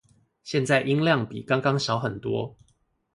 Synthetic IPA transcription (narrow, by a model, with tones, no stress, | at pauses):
ɕjɛ˥˧nt͡sa˥˩ɪʔi˦ŋljɑ˥˨ŋpḭ˨˩kɑ˥ŋkɑ˥˦ŋɕɑ˨˦ʊxə˨˩nt̪wɔ̰˦